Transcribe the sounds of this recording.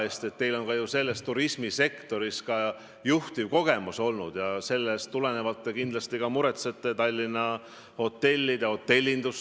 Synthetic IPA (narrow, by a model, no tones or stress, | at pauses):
e̞ːst̪e̞t̪ːe̞jlo̞nkɑjuse̞lːe̞st̪ːuɾismise̞kt̪o̞ɾiskɑ | juht̪ivko̞ɡ̥e̞muso̞lnud̪̥jɑse̞lːestt̪ːule̞ne̞vɑt̪ːˑekind̪lɑst̪ikɑmuɾe̞t̪set̪ːˑet̪ɑlʲːinɑ | ho̞t̪ːe̞lʲːid̪ɑho̞t̪ːe̞lʲːind̪̥us